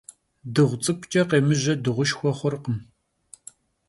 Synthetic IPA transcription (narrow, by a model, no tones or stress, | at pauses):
dɨʁʷt͡sʼɨpʷt͡ʃʼɐqeːmɨʑɐdɨʁʷʊʃxʷɔχʷʊrqəm